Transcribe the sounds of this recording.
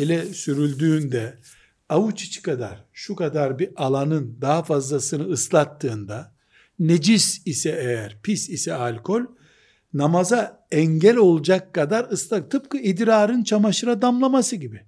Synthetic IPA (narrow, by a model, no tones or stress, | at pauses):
elʲɛsyɾylʲd̪yːnd̪ɛ | aut͡ʃʰi̥t͡ʃʰi̥kad̪a̰ɾ̥ʃukad̪aɾbiʔalˠanɯnd̪aɦafazlˠasɯnɯːslˠat̪ːɯːnd̪a | ned͡ʒisisɛejæɾpʰisisɛalʲkʰo̞lʲ | namaza | ɛɲɟɛlʲo̞lˠud͡ʒakːad̪aɾɯslˠat̪ʰɯp̚kɯid̪ɾaːɾɯnt͡ʃʰamaʃɯɾad̪amlˠamasɯɟibi